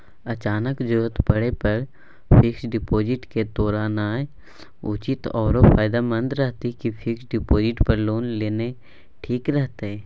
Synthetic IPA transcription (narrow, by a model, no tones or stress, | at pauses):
ɐt͡ʃaːnəkd͡ʒʊət̪pəɽepɐɾ | pʰɪksɖɪpoːd͡ʒɪʈked̪oːɾaːnaː | ut͡ʃɪt̪ɔːɾopʰaːjd̪aːmə̃nd̪ɾəɦt̪ikifʰɪksɖɪpoːd͡ʒɪʈpəɾloːnleːne | ʈʰiːkɾəɦt̪eɛː